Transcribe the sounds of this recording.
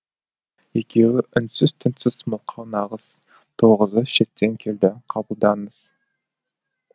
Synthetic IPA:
e̞kʲʰe̞wɪʔʏnsɪz̥t̪ʰɪnsɪzməʊlˠqʰɑnɑʁəz̥ | t̪ʰoʁəzəʃe̞t̪ːe̞ŋkʲʰe̞ld̪ɪqʰɑbəlˠd̪ɑnəz̥

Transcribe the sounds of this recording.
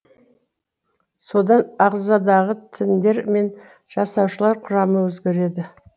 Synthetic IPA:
so̞d̪ɑnɑʁzɑd̪ɑʁət̪ʰɪnd̪e̞ɾme̞n | ʒ̥ɑsɑwʃəlˠɑɾqʰʊɾɑməwɵzɡʲe̞ɾe̞d̪ɪ

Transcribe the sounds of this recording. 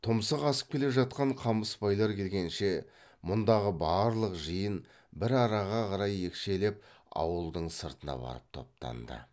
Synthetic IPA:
t̪ʰʊmsəqɑsə̥p̚kʲe̞le̞ʒɑt̪̚qɑɴqʰɑməspɑjlˠɑɾkʲʰe̞lɡʲe̞nʃe̞ | mʊnd̪ɑʁəbɑːɾlˠəqʒəjən | bɪɾɑɾɑʁɑqʰɑɾɑje̞kʃe̞le̞p̚ | ɑ̰wəlˠd̪əɴsəɾt̪ənɑ̰bɑ̰ɾəp̚t̪ʰo̞̰p̚t̪ɑ̰nd̪ə̰

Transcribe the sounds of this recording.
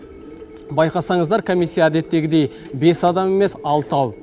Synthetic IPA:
bɑjqɑsɑɴəzd̪ɑɾkʰomisʲːijaːd̪e̞t̪ːe̞ɡʲɪd̪e̞j | be̞sɑd̪ɑme̞me̞sɑlˠt̪əɑw̪ˠ

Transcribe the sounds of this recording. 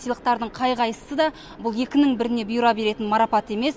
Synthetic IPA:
sijlˠəq̚t̪ɑɾd̪əɴqʰɑjʁɑjəsəd̪ɑ | bʊlˠje̞kʲɪnɪŋbɪɾɪne̞bʊjuɾɑbe̞ɾe̞t̪ɪnmɑɾɑpɑt̪e̞me̞s

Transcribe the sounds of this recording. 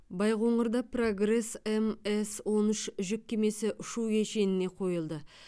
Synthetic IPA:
bɑjʁoɴəɾd̪ɑpʰro̞ɡre̞semeswo̞nʏʃʒɪk̚ʲkʲʰːeme̞sɪʔʊʃuwkeʃe̞nɪne̞qʰo̞jəlˠd̪ə

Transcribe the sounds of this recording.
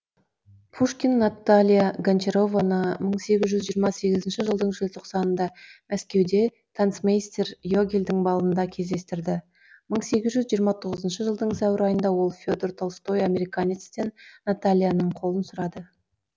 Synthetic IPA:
pʰuʂkʲinːat̪ːalʲijaɡant͡ʃeɾovanəməɴse̞ɡʲɪzʒʏzʒiːɾmɑse̞ɡʲɪzɪnʃɪʒəlˠd̪əɴʒelt̪ʰoqsɑnənd̪ɑmæskʲe̞wd̪e̞ | t̪ʰant̪smejst̪erjoɡʲelʲd̪ɪŋbɑlˠənd̪ɑkʲʰe̞zd̪e̞st̪ɪɾd̪ɪ | məɴse̞ɡʲɪzʒʏzʒijəɾmɑt̪ʰo̞ʁəzənʃəʒəlˠd̪əɴsæwɪɾɑjənd̪ɑwo̞lˠfʲod̪ert̪ʰolˠst̪o̞jamʲe̞ɾijkanʲit̪st̪e̞nnat̪alʲjanəɴqʰo̞lˠənsʊɾɑd̪ə

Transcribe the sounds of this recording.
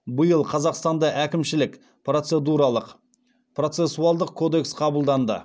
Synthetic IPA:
bəjəlˠqʰɑzɑqst̪ɑnd̪ɑʔækʲɪmʃɪlɪk | pro̞t̪se̞d̪uɾɑlˠəq | pro̞t̪se̞sːuɑlˠd̪əq̚kʰo̞d̪e̞ksqʰɑbəlˠd̪ɑnd̪ə̰

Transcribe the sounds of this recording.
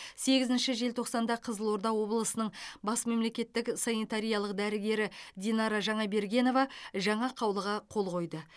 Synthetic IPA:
se̞ɡʲɪzɪnʃɪʒe̞lt̪ʰo̞qsɑnd̪ɑqʰəzəlˠo̞ɾd̪ɑwo̞blˠəsənəɴbɑsme̞mle̞kʲe̞t̪ːɪksɑnit̪ɑɾijɑlˠəq̚d̪æɾɪɡʲe̞ɾɪd̪ʲinɑɾɑʒɑɴɑbe̞ɾɡʲe̞no̞vɑʒɑɴɑqʰɑwlˠəʁɑqʰo̞lˠqʰo̞jd̪ə

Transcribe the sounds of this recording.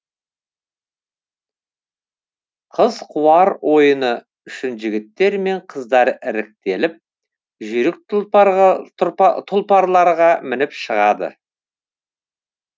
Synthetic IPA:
qʰəzqʰuɑɾwo̞jənə | ʏʃɪnʒɪɡʲɪt̪ːe̞ɾme̞ɴqʰəzd̪ɑɾɪɾɪk̚t̪e̞lɪp̚ | ʒʏɾɪk̚ | t̪ʰʊlˠpɑɾlˠɑɾʁɑmɪnɪpʃəʁɑd̪ə̰

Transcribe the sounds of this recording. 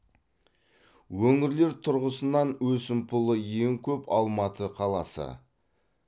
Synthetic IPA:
wɵŋɪɾle̞ɾt̪ʰʊɾʁəsənɑnwɵsɪmpʰʊlˠəje̞ŋkʲʰɵpɑ̰lˠmɑt̪ʰəqʰɑlˠɑsə̰

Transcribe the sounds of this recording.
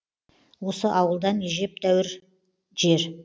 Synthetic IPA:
wo̞səʔɑwəlˠd̪ɑneʒe̞p̚d̪æwɪɾ | ʒ̥e̞ɾ

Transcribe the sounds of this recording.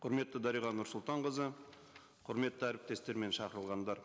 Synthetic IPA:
qʰʊɾme̞t̪ːəd̪ɑɾijʁɑnʊɾsʊlˠt̪ɑɴʁəzə | qʰʊɾme̞t̪ːəæɾɪp̚t̪e̞st̪e̞ɾme̞nʃɑqəɾəlˠʁɑnd̪ɑɾ

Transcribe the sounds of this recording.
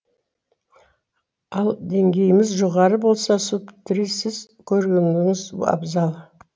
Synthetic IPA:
ɑlˠd̪e̞ŋɡʲe̞jɪmɪzʒoʁɑɾəbo̞lˠsɑsupt̪ʰɪɾisɪz | kʲʰɵɾɡʲend̪ɪŋɪz̰ɑ̰bzɑlˠ

